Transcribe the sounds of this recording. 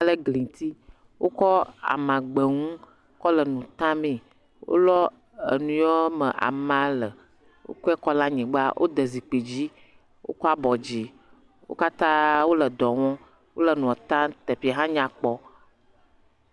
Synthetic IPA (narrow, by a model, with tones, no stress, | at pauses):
lə˦ɡli˨t̪i˦ | wʔo˦kɔ˦a̰˨mã˨ɡ͡be˨ŋũ˦ | kɔ˦lə˨nũ˨t̪ã˦mĩ˨ | wo̰˦lɔ˦ | ḛ˨nũ˨jɔ˦mə̃˨ʔa̰˨mã˨lə˨ | wo̰˦kɔ˦ɛ˦kɔ˦lã˦ɲɛ̃˨ɡ͡ba̰˦wʔo̰˦d̪ə˨zi˨k͡pe˨d͡ʑi˦ | wo̰˦kɔ˦a˦bɔ˨d͡ʑi˨ | wo̰˦ka˦t̪ã˦wo˦lə˨d̪ɔ˨wɔ̃˦ | wo˦lə˨nũ˨ɔ˨t̪ã˦t̪e˨ɸi˦a˨ɦã˦ɲã˨k͡pɔ˦